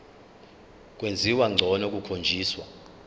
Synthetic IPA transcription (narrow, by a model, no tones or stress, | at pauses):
k̬ʼwend͡zʱiwaŋ͡ǀʱɔnok̬ʼukʰond͡ʒʱiːswa